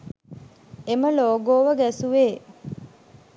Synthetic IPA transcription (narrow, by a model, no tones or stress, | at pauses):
eməloːɡoːʋəɡæsuʋeː